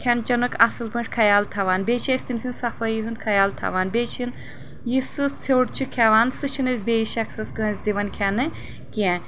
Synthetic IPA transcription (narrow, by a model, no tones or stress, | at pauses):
kʰʲɛnt͡ʃɐnukʰɐsɨlpɨnʂkʰɐjaːlt̪ʰɐʋaːnbeːt͡ʃʰesʲt̪imsinsɐfɐjiɦɨnkʰɐjaːlt̪ʰɐ̰ʋaːnbeːt͡ʃʰin | jisɨt͡sʰewʈt͡ʃʰikʲʰɛʋaːnsɨt͡ʃʰinɨzʲbeːiʃɐksɐskɨnɐzʲd̪iʋɐnkʲʰɛnɨ | kiɛ̃